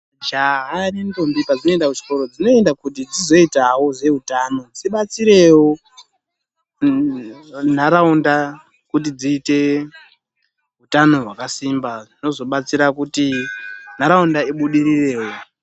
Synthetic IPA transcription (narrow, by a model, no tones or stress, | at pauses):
d͡ʒaɦarinto̞mbipad͡zino̞e̞ndakuʐi̥ko̞ɾo̞d͡zino̞e̞ndakut̬id͡zizo̞itawo̞ze̞ɦutaːno̞d͡ziɓat͡siɾe̞wo | n̤aɾaunda | kut̬id͡ziːte̞ | ɦutano̞ɦwakasimbad͡zino̞zo̞ɓat͡siɾakutin̤aɾaundaiɓuɗirire̞ːwo